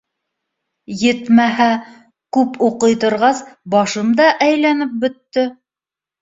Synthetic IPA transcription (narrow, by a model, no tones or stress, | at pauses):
jɘt̪mæɦæ | kʉpuqɤ̆jt̪ŏɾʁɑsbɑʃɤmd̪ɑʔæjlænɘp̚bɵ̆t̪ːɘ